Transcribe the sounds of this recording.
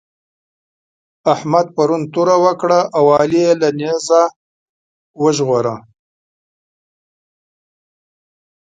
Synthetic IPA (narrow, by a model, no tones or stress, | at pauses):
ahmad̪̚paɾunt̪uɾawəkɽaʔawɑlijelaneza | wəʒɣoɾa